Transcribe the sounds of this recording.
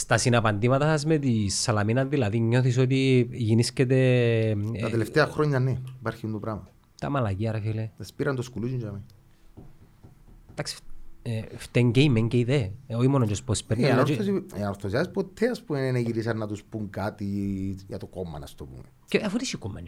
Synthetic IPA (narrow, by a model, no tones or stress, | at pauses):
st̪ɐsinɐpɐnd̪imɐt̪ɐsɐsmet̪isːɐlɐminɐðilɐðiɲːo̞θis̬ot̪̬iʝiniscet̪̬e | t̪ɐeleft̪eɐxɾoɲːɐneipaɾçind̪opɾɐmɐ | t̪ɐmɐlɐciɐɾɐfilesɐspiɾɐnd̪oskuluzuɲd͡ʒɐmi | t̪aksi̥ | ft̪eɲɟeimeɲɟeiðeoimonot͡ʃospospeɾnɐnoɾosiɐɾθozaspot̪ʰːeɐspumeneneʝiɾisɐnːɐt̪uspuŋkat̪ijɐt̪okomɐ̰nɐ̰st̪opṵme | eʔefut̪isikumːe